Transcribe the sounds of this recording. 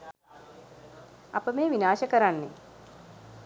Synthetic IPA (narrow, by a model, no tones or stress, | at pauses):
a̰pəmeːʋinaːʃəkəɾanːe